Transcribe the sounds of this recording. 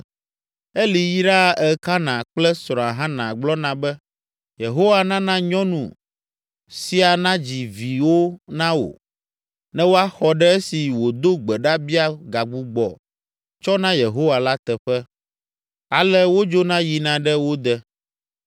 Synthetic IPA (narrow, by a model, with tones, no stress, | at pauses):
e˦li˨ji˦ɖa˦˨ɛ˦ka˦nã˨k͡plɛ˦sɾ̃ɔ̃˨a˨ɦã˦nã˨ɡ͡blɔ˦nã˨bɛ˦ | je˨ɦo˦wa˨nã˦nã˦ɲɔ̃˦nṵ̃˨ | si˦a˨nã˦d͡ʑi˨vi˨wo˦nã˦wo̰˨ | nɛ̃˦wo˦a˦xɔ˨ɖɛ˦ɛ˦si˨wo˨d̪o˦ɡ͡bɛ˨ɖa˦bi˦a˦ɡa˨ɡ͡bu˦ɡ͡bɔ̰˨ | t͡ʃɔ˦nã˦je˨ɦo˦wa˨la˦t̪ɛ˨ɸɛ˦ | a˨lɛ˦wo˦d͡ʒo˦nã˦ji˨nã˨ɖɛ˦wo˦d̪ɛ˦